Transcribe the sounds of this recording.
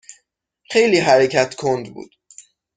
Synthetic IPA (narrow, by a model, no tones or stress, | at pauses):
xejliːɦæɾecʰæt̪kʰond̪bṵːd̪̥